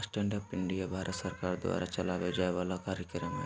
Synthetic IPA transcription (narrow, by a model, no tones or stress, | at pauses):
sʈɛ̃ːɳɖəpɪ̃ɳɖijabʱaːɾʔət̪səɾkaːɾd̪ʊwa̰ːɾat͡ʃɐlaːʋed͡ʒaːeʋaːlakaːɾjəkɾəmɦɛ